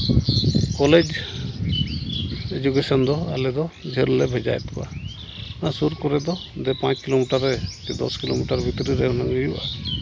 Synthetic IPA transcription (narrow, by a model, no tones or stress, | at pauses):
kɔled͡ʒ | ed͡ʒukesɔnd̪ɔalɛd̪ɔd͡ʒʱeɾlɛbʱɛd͡ʒa̰jt̪kɔa̰ | nasuɾkɔɾɛd̪ɔd̪ɛpãt͡ʃkilomiʈaɾɛkɛd̪ɔ̰skilomiʈaɾbʱit̪ɾiɾɛnaɡɔjuʔa̰